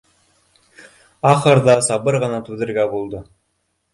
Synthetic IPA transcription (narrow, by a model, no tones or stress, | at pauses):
ɑχɤ̆ɾðɑsɑbɤɾʁɤ̆nɑt̪ʉðɘ̆ɾɡæbulˠd̪ɤ